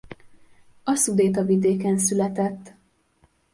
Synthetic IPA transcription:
ɒsud̪eːt̪ɒvid̪eːkɛnsylɛt̪ɛt̪ː

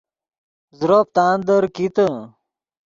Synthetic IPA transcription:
zɾop̚t̪aːnd̪əɾkit̪ə

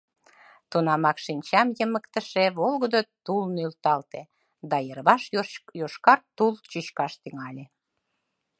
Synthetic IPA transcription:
t̪unɑmɑkʃinʲt͡ɕɑmjəməkt̪əʃeβolɣəd̪ot̪ulnylt̪ɑlt̪e | d̪ɑjərβɑʃjoʃkɑrt̪ːult͡ɕyɕkɑʃt̪yŋɑlʲe

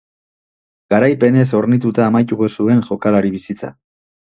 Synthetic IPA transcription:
ɡ̥aɾajpe̞ne̞so̞ɾnit̪ut̪aːmajt̪uɣo̞sue̞ŋʝo̞kalaɾiβisit͡sa̰

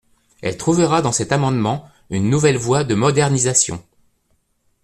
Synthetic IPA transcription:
ɛ̰lt̪χuvəʁad̪ɑ̃sɛt̪amɑ̃d̪mɑ̃ | ynːuvɛlvwad̪əmɔd̪ɛʁnizasjɔ̰̃

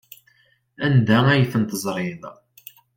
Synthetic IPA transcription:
ænd̪ææjθənt̪əzˤɾˤɪð

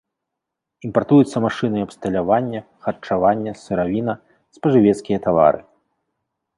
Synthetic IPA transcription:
impart̪ujut̪sːɐmaʂɨnɨɐbst̪ɐlʲavanʲːɐ | xɐrt͡ʂavanʲːɐsɨɾavʲinɐ | spɐʐɨvʲɛt̪skʲijɐt̪ava̰ɾɨ̰

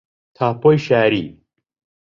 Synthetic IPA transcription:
t̪ʰaːpojɕaːɾi

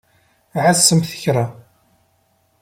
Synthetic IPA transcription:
ʕasːəmθə̥çɾˤa

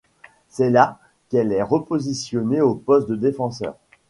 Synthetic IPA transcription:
sɛla | kɛlɛʁəpozisjɔneopɔst̪̚d̪əd̪efɑ̃sœ̰ːʁ

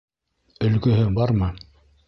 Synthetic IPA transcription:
ɵ̆lɡɵ̆ɦɘbɑɾmɤ

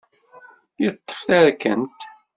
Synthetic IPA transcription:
jət̪ˤːə̥fθæɾkənt̪

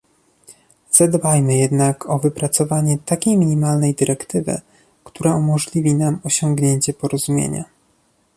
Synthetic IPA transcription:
z̥ad̪bajmɘjɛd̪nakʰɔvɘpɾat̪sɔvaɲɛt̪akʲejmʲiɲimalnɛjd̪ɘɾɛkt̪ɘvɘ̰ | kt̪uɾaumɔʐlʲivʲinamɔɕɔŋɡɲeɲt͡ɕɛpɔɾɔzumʲjḛɲa̰

